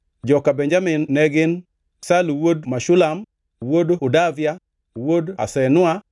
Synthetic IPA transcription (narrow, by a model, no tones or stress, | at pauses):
d͡ʒɔkabɛɲd͡ʒamɪnːɛɡɪn | saluwodmaʃʊlam | wodʊdavja | woda̰sɛnʊa